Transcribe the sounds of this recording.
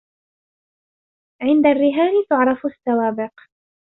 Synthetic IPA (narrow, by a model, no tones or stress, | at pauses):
ʕɪnd̪arːɪɦaːlt̪ʊʕɾˤɑfasːawaːbɪq